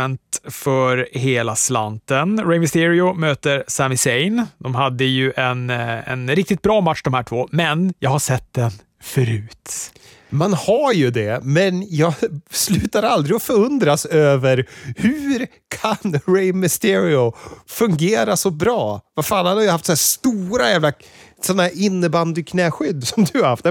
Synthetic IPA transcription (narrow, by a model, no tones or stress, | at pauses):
ɛnt̪fœɾheːlasla̰nt̪ənɾɛɪmɪst̪ɪɾɪʊmøːt̪əɾsæmɪsɛjnd̪ɔmɦad̪ːəjɵʔɛnɛ̰nɾɪk̚t̪ɪt̪̚bɾɑːmatʂd̪ɔmhæːʈʰvoːmɛnjɑːɡhaʂɛt̪̚ːd̪ɛn | fœɾʉ̟ːt̪ | manhajɵd̪ɛmɛnjɑːɡslʉ̟ːt̪aɾald̪ɾɪɔfœɾɵnd̪ɾasøːvəɾhʉɾ | kʰanɾɛɪmɪst̪ɪɾɪʊfɵŋɡeːɾasɔbɾɑːvafaːlhad̪haɾjhaft̪sɔnæːʂt̪uːɾajæːvla | sɔnːahæːɾɪnːəband̪ɪkʰnɛːɧʏd̪ːsɔɔmd̪ɵhaɾhaft̪ɛ